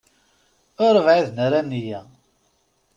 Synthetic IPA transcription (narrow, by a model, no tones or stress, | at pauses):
ʊɾˤəvʕiðnəɾanːijæ